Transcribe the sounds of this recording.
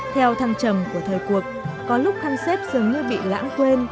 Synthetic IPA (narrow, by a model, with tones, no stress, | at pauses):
t̪ʰɛ˧wt̪ʰaː˧ŋt͡ɕə˧˩mku˧˩ət̪ʰəː˨˩jku˨˩ək̚kɔ˨˦lʊ˦˥k͡p̚t̪ʰaː˧ŋse˦˥p̚z̥ɨ˨˩əŋɲɨ˧ɓḭ˧˨la̰ː˧˥ŋk̪we˧n